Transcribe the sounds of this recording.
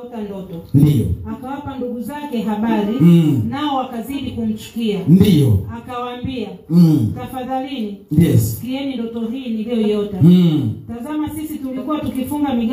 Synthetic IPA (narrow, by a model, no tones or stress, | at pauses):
tandɔtɔndiɔ̰akawapanduɡuzakɛɦaɓaɾinaɔwakaziɗikum̩t͡ʃu̥kiandiɔ̰akawaːmbia | tafaðalinijɛskiɛnindɔtɔɦiːniliɔijɔtatazamasisitulikuwatukifuŋɡamiɡ